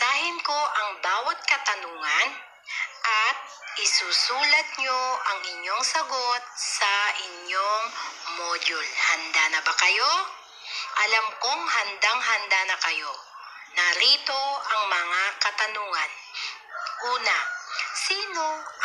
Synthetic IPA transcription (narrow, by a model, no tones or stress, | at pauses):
t̪aːhɪnko̞ʔɐŋbaːwɐt̪̚kɐt̪ɐnuːŋɐn | ʔɐt̪̚ | ɪsuːsuːlɐt̪̚ɲoʔɐŋɪɲːo̞ŋsɐɡot̪̚sɐʔɪɲːoŋmod͡ʒʊlhɐnd̪anɐbɐkɐjo̞ | ʔɐlamkoŋhɐnd̪aŋɦɐnd̪anɐkɐjo̞ | nɐɾiːt̪o̞ɐŋmɐŋakɐt̪ɐnuːŋɐn | ʔuːnɐsiːno̞